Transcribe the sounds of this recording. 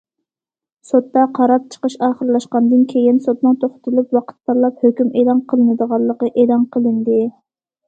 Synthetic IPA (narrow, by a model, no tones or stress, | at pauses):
sot̪ːɑqʰɑɾɑp̚t͡ʃʰə̥qəʃɑːχəɾlˠɑʃqɑnd̪ɨnkʲʰejinsot̪nɨŋt̪ʰoχt̪ʰɨlˠupwɑqʰə̥t̪̚pɑɾlˠɑp̚høkʲymelˠɑnqʰəlˠɨnɨd̪əʁɑlˠːəqəʔeːlˠɑnqʰəlˠɨnd̪ɪ